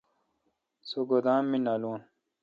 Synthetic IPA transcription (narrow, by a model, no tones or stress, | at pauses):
suɡod̪aːmmːinaloːn